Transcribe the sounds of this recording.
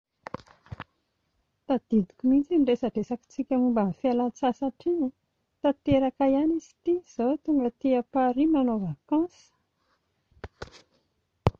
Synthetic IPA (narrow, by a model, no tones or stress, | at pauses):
t̪ad̪̥id̪i̥kumint͡sinɖ͡ʐesaɖ͡ʐesaki̥t͡sikʲamumbanfialat͡sasaʈ͡ʂiə | t̪at̪eɾakajanizi̥t̪iz̥ot̪uŋɡat̪iapaɾimanovakɑ̃sə̥